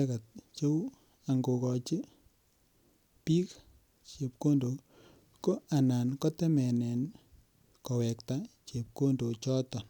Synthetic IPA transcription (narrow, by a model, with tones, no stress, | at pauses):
ɛ˦ka˨t̚t͡ʃo˦w | a˨ŋɡo˨kɔ˨t͡ʃi˦ | piː˦k | t͡ʃe˨p̚ko˦ndo˨ | ko˦a˨na˨nkɔ˦tɛ˦mɛ˨nɛ˨n | kɔ˨wɛ˨kta˦t͡ʃe˨p̚ko˦ndo˨t͡ʃɔ˦tɔ˨